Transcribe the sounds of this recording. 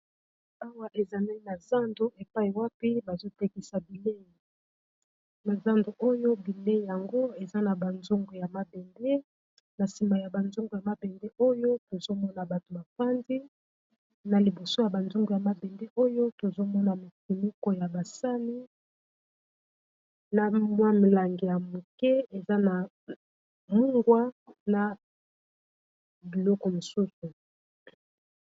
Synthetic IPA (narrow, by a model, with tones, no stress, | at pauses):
a˦wa˦ʔe˨za˨ne˦na˨za˦ndo˦ʔe˨pa˦i˨wa˦pi˦ba˨zo˦te˦ki˦sa˨bi˨le˦˨ | na˨za˦ndo˨ʔo˦jo˦bi˨le˦˨ja˨ŋɡo˦e˨za˦na˨ba˨nzu˦ŋɡo˨ja˨ma˨bɛ˨nde˦ | na˨si˨ma˨ja˨ba˨nzu˦ŋɡo˨ja˨ma˦bɛ˨nde˦ʔo˦jo˦to˨zo˦mɔ˦na˨ba˨to˨ba˨pa˦ndi˦ | na˨li˨bo˨so˦ja˨ba˨nzu˦ŋɡu˨ja˨ma˦bɛ˨nde˦ʔo˦jo˦to˨zo˦mɔ˦na˨mo˨ki˨mu˦koɔ˨ja˨ba˨sa˦ni˦ | na˨mwa˦mi˨la˨ŋɡe˨ja˨mu˨kɛ˦e˨za˦na˨ | mu˦ŋɡwa˦na˨ | bi˨lɔ˦kɔ˨mo˨su˦su˨